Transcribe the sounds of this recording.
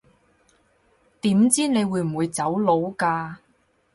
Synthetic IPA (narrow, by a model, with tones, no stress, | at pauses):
t̪iː˨˥mt͡siː˥ne˨˧jwuː˨˧jm̩˨˩wu˨˧jt͡sɐ˨˥wlo˨˧˥wkaː˧